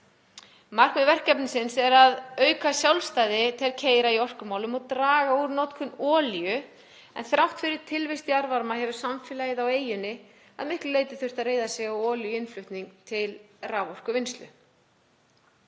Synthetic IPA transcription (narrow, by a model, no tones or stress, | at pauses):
mar̥kmɛvɛr̥cɛpnɪsɪnsɛɾaðœːɥkasjawlst̪aːjðɪt̪ʰɛlcʰeːjɾaiɔr̥kʏmaːwlʏmɔɣt̪ɾaːɣauɾnowt̪kʰʏnɔːljʏ | ɛ̰nθɾawht̪fɪɾɪɾ̥t̪ʰɪlvɪjst̪iaɾvaɾmahɛvʏɾ̥samfɪːlajɪðaweːjʏnːɪ | a̰ðmɪhklʏleːjt̪ɪ̥θʏr̥t̪aðreːjðasjɛɣawɔːljʏɪnflʏht̪niŋkt̪ʰɪlrawvɔr̥kʏvɪnst̪lʏ̰